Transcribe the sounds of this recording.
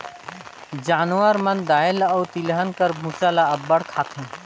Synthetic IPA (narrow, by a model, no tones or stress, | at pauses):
d͡ʒaːnwəɾmənd̪aːelɔːt̪ilɦənkəɾbʱusalaɐbːəɽkʰaːt̪ʰɦɛ̃